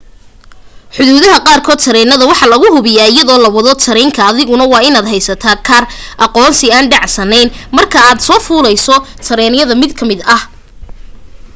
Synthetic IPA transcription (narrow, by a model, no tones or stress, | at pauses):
ħʊðuːðɐɦɐqɑːrkʰɔːd̪t̪ʰɐɾɛːnɐðɐwɑħɑːlɐɣʊɦʊβɪjaːɪjɐðɔːlɐwɑðɔt̪ʰɐɾɛŋkʰɐːðɪɣʊnɐwɑːɪnaːd̪ɦɛjsɐt̪ʰaːkʰɐrʔɑqɔːnsɪaːnɖɑʕsɐnɛjnmɐrkʰɐaːd̪sɔːfuːlɛjsɔt̪ʰɐɾɛːnɪjɐðɐmɪd̪kʰɐmɪd̪ɐh